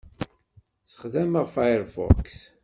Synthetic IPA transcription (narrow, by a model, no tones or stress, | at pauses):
sə̥χðæməʁfajɾfɔ̰ks